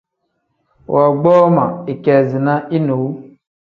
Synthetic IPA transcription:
wʔa˨ɡ͡bɔ˦ma˨i˨kɛ˨zi˨na˦ʔi˦no˨w

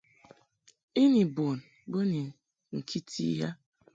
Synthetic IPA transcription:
i˦ni˨bo˨n̩˨bʊ˦ni˨ | ŋ̩˨kʰi˦tʰḭ˦ja˦

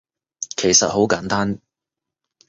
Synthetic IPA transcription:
kʰe˨˩jsɐ˨t̚ho˨˥wkaː˨˥nt̪aː˥n

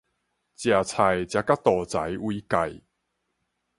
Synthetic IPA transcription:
t͡ɕja˨˩t͡sʰa˨˩jt͡ɕja˧˦ka˦˥t̪ɔː˨˩t͡sa˨˦jwiː˧ka˨j

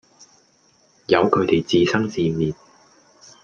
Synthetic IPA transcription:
jɐ˨˧wkʰɵ˨˧ɥt̪e˨˩jt͡siː˨˧sɐ˥ŋsiː˧miː˨n̚

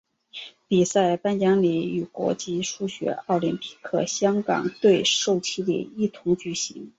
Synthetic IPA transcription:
pi˨˩sa˥˩ɪpa˥njɑ˥ŋli˨˩y˨˩kwɔ̰˧˥t͡ɕi˥ʂu˥ɕɥɛ̰˧˥ɑ˥˩ʊli˧˥npʰi̥˥kʰɤ̰˥˩ɕjɑ˥ŋkɑ̰˨˩ŋt̪we˥˧ɪʂo˥˩ʊt͡ɕʰi˥lḭ˨˩i˥˩t̪ʰʊ˧˥ŋt͡ɕy˨˩ɕi˧˥ŋ

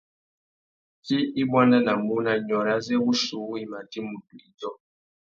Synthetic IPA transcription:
ti˦i˦bwa˦nda˦na˨mu˦na˦ɲɔ˨ɾa˦zɛ˦bu˦su˨˦i˨ma˨ti˦mu˨tu˨i˨˦d͡ʒɔ˦

